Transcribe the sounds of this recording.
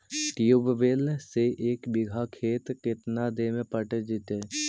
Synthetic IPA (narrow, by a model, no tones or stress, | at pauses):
ʈijubʋeːlseʔeːkbɪɡʱakʰeːt̪kɪt̪nad̪eːmẽpəʈed͡ʒɪt̪e